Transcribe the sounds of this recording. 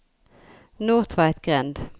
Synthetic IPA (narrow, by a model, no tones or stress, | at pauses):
nuːʁt̪ʰʋæɪt̪ɡ̥ʁɛnd̪